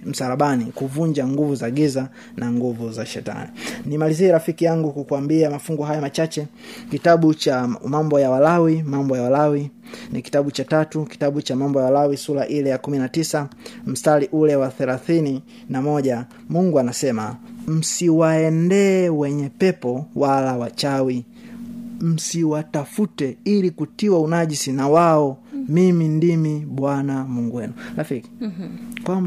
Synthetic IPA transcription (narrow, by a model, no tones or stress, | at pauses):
m̩saɾaɓanikuvund͡ʒaŋɡuvuzaɡiza | naŋɡuvuzaʃɛ̰ta̰ninimaliziɛɾafikijaŋɡukukuambiamafuŋɡuɦajamat͡ʃat͡ʃɛ | kitaɓut͡ʃamambɔjawalawimambɔjawalawi | niki̥taɓut͡ʃatatuki̥taɓut͡ʃamambɔjawalawisulaʔilɛjakuminatisam̩staliʔulɛwaθɛlaθini | namɔʄa | muŋɡuanasɛmam̩siwaɛndɛːwɛɲɛpɛpɔwalawat͡ʃawi | m̩siwatafutɛilikutiwaunaʄisinawaɔmimindimiɓwanamuŋɡwɛnulafiki̥kwam